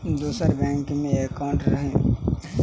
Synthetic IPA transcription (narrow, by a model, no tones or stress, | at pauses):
d̪uːsəɾbɛ̃ːŋkmẽekaʊɳʈɾəɦẽ